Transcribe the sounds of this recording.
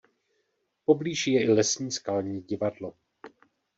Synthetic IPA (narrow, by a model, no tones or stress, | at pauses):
po̞bliːʒɪjɛʔɪlɛsɲiːskalɲiːɟɪvadlo